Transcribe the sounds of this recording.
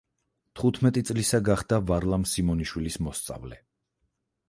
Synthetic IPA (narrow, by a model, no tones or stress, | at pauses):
t̪ʰχut̪ʰmɛt̪ʼit̪sʼlisaɡaχd̪avaɾlˠamsimɔniʃwilismɔst̪sʼa̰vlɛ